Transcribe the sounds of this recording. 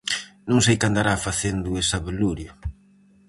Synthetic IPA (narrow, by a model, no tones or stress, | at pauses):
nõŋsejkand̪aɾafaθend̪ʊesɐβeluɾjɐ